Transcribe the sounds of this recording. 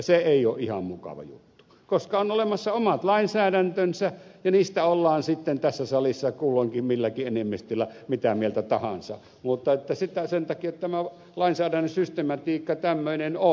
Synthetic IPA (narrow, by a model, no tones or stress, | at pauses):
seeˑijoːʔʔihɑ̰mmukɑ̰ʋɑ̰jṵt̪ːu | koskɑonolemɑsːɑomɑt̪lɑˑinsæːɾænt̪ønsæjɑniːst̪æolːɑːnsit̪ːent̪æsːæsɑlisːɑkuːlːoŋkimmilːækiʔenemːist̪ylːæmit̪æmielt̪æt̪ɑhɑ̰nsɑ | mut̪ːˑɑet̪ːæsit̪æsent̪ɑkiot̪ːt̪æmæ | lɑˑinsæːdænːøsyst̪emɑt̪iːkːɑt̪æmːøineno